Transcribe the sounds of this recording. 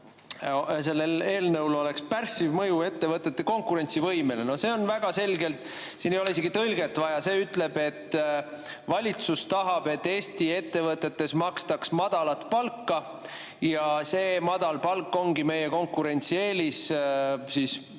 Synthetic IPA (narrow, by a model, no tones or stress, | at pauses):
se̞lːeleːlnɤwlo̞le̞kspærsivmɤjue̞t̪ːevɤt̪ːˑe̞t̪ːeko̞ŋkuɾe̞nt̪sivɤjme̞leno̞se̞ːo̞nvæɡ̥ɑse̞lɡe̞lt̪ | sinejoeise̞ɡit̪ɤlɡe̞t̪ːˑvɑjɑse̞ːyt̪le̞be̞t̪ː | vɑlʲit̪sust̪ɑɦɑb̥e̞t̪ːe̞ːst̪ie̞t̪ːe̞vɤt̪ːˑe̞t̪ːe̞smɑkst̪ɑksmɑd̪̥ɑlɑt̪ˑpɑlkːɑ | jɑse̞ːmɑd̪̥ɑlpɑlkːo̞ŋɡime̞jeko̞ŋkːuɾe̞nʲt̪sie̞ːlis | siːs